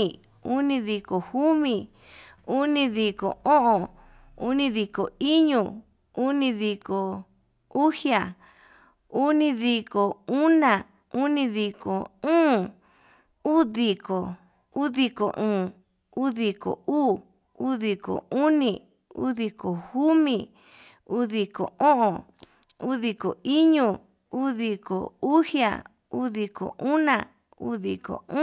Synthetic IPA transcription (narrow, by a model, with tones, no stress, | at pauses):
u˦nĩ˧ði˧ko˨hu˦mĩ˧˨ | u˦nĩ˧ði˧˨ko̰˨õ˦ʔõ˨ | ṵ˦nĩ˧ði˧˨ko˨i˦ɲũ˧ | u˦nĩ˧ði˧ko˨ | u˦hja˨ | u˦nĩ˧ði˧ko˨u˦nã˨ | u˦nĩ˧ði˧ko̰˨ũː˦ | uː˦ði˧ko˨ | u˦ði˧ko̰˨ʔũː˨ | u˦ði˧ko̰˨uː˦ | u˦ði˧˨ko̰˨u˦nĩ˧ | ṵ˦ði˧ko˨hu˦mĩ˧ | u˦ði˨ko̰˨õ˦ʔõ˨ | u˦ði˧ko˨i˦ɲũ˧˨ | uː˦ði˧ko̰˨u˦hja̰˨ | u˦ði˧ko̰˨ʔu˦nã̰˧˨ | ṵ˦ðḭ˨kõ̰˨˦